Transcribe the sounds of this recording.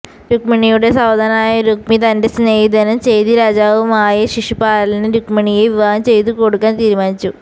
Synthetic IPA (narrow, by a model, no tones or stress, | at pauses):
ɾukmɐɳijuɽe̞sɐwd̪ʱɐnaːjɐɾuk̚mit̪ɐnde̞sneːjd̪ɐnɐmt͡ɕe̞jt̪iɾaːd͡ʑaːʋumaːjɐɕiʂipaːɾɐlinɨɾukmɐɳijeʋiʋaːɡɐmt͡ɕe̞jt̪uko̞ɽukːaːnt̪iːɾumaːnit͡ɕːu